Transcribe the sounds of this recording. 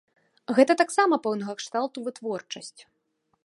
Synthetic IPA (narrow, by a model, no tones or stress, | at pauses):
ɣɛt̪ɐt̪aksamɐpɛwnɐɣɐkʂt̪alˠt̪uvɨt̪vɔrt͡ʂɐsʲt͡sʲ